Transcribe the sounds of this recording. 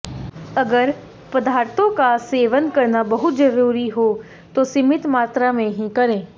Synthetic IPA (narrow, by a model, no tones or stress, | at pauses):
ɐɡəɾ | pəd̪aːɾt̪õkaseːʋənkɐɾnabɐɦʊt̪d͡ʒəɾuːɾiɦoː | t̪osɪmɪt̪maːt̪ɾamẽɦĩkɐɾẽː